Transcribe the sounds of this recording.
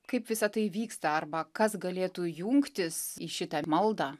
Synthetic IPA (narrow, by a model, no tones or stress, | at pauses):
kɐɪpʋʲɪsɐt̪ɐɪʋʲiːkst̪ɐɐrbɐkɐsɡɐlʲeːt̪uːjuŋkt̪ʲɪsiʃʲɪt̪ɐmɐlˠd̪ɑː